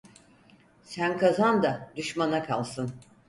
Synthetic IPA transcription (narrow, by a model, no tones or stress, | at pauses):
sænkʰazand̪ad̪yʃmanakʰalˠsɯn